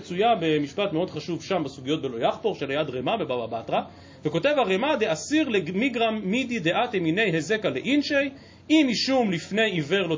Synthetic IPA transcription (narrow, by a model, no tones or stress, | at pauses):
t͡sujabe̞miʃpat̪meo̞d̪χaʃuvʃambasuɡijo̞t̪̚be̞lo̞jaχpo̞ʁʃelajad̪ʁemabe̞bababatʁa | veko̞te̞vhaʁemad̪easiʁlemiɡʁamːid̪id̪e̞ʔat̪emine̞jɦeze̞kaleʔinʃej | imiʃumlifne̞jive̞ʁlo